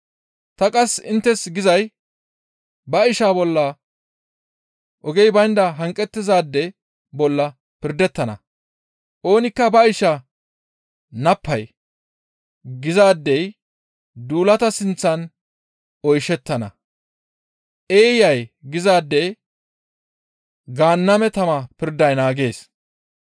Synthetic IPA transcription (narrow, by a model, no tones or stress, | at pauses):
t̪ɐkʼɐsɪnt̪ːɛsɡɪzɐj | bɐɪʃaːbɔlːɐ | ʔɔɡɛjbɐjnd̪ɐɦɐŋkʼːɛt̪ːɪzaːd̪ːɛ | bɔlːɐ | pɪɾd̪ɛt̪ːɐnɐ̰ | ʔo̞ːnɪkːɐbɐɪʃɐ | nɐpʰːɐj | ɡɪzaːd̪ːɛj | d̪uːlɐt̪ɐsɪnt͡sːɐn | ɔjʃɛt̪ːɐnɐ̰ | ʔeːjɐjɡɪzaːd̪ːɛj | ɡaːnːɐmɛt̪ɐmɐpɪɾd̪ɐjnaːɡe̞ːs